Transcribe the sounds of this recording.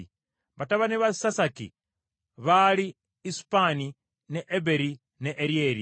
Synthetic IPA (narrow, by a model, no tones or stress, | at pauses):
βataβaniβaisasakḭ | βaliː | su̥pani | neʔːβeɾi | neʔːɾieɾi